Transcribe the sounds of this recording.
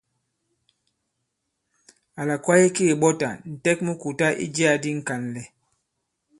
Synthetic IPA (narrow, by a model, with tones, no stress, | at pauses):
a˨la˨kwa˦je˦keː˦˨ɓɔ˦ta̰˨n̩˨tɛ˦k̚mu˦ku˨ta˦ʔḭ˦d͡ʒi˦a˨di˦ŋ̩˨ka˨nlɛ˨